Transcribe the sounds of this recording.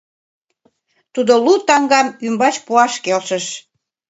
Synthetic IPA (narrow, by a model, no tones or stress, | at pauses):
t̪ud̪olut̪ɑŋɡɑmymbɑt͡ɕpuɑʃkelʃəʃ